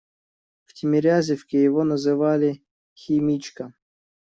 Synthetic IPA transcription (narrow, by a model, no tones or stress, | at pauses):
ftʲɪmʲɪɾʲazʲɪfkʲɪjɪvonəzɨvalʲɪ | xʲɪmʲit͡ɕkə